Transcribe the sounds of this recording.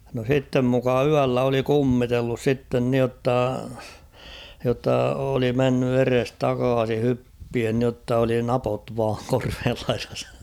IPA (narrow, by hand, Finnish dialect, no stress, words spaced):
no sitːem mukɑ yælːæ oli kumːitelːus sitːen nĭotːɑ jotːɑ oli menːy erestɑkɑːsi hypːien nĭotːɑ oli nɑpot ʋɑːŋ korʋeːl lɑirɑs